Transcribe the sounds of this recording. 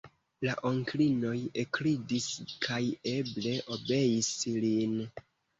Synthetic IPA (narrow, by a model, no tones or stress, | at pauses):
laʔoŋklino̞jekɾidiskʰaje̞ble̞ʔo̞be̞jislin